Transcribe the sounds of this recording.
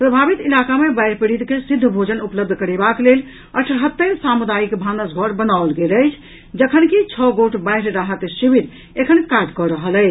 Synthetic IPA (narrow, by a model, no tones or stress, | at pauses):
pɾəbʱabit̪ilakamebəjɾpiɽid̪kesid̪ʱːbʱod͡ʒənupləb̚d̪ʱkəɾebaklel | əʈʰɦət̪ːəɾsamud̪ajikbʱanəsɡʱɔɾbənaolɡeləɪt͡ʃʰ | d͡ʒəkʰənkit͡ʃʰɔɡoʈbə̃ɪɾɾaɦət̪sibiɾ | ekʰənkaɖkɔɾəɦələt͡ʃ